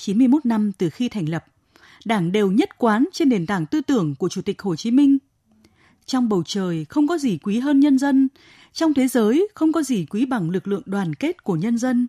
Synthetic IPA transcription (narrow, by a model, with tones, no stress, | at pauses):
t͡ɕi˨˦mɨ˧əjmo˦˥t̚na˧mt̪ɨ˨˩xi˧t̪ʰɛ˨˩jŋ̟lə˨˩p̚ | ɗaː˧˩ŋɗe˨˩wɲə˦˥t̚kwaː˨˦nt͡ɕe˧nɗe˨˩nt̪aː˧˩ŋt̪ɨ˧t̪ɨ˧˩əŋku˧˩ət͡ɕu˧˩t̪ï˨˩k̚ho˨˩t͡ɕi˨˦mï˧ŋ̟ | t͡ɕɔ˧wŋ͡mɓə˨˩wt͡ɕəː˨˩jxə˧wŋ͡mkɔ˨˦zi˨˩kwi˨˦ɦəː˧nɲə˧nzə˧n | t͡ɕɔ˧wŋ͡mt̪ʰe˨˦zəː˨˦jxə˧wŋ͡mkɔ˨˦zi˨˩kwi˨˦ɓa˨˩ŋlɨ˨˩k̚lɨ̰˧˨əŋɗwaː˨˩nke˦˥t̚ku˧˩əɲə˧nzə˧n